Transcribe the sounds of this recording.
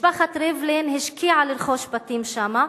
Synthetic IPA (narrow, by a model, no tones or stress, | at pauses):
baχat̪ɾevlenhiʃkʰiʕaliɾχoʃbat̪imʃama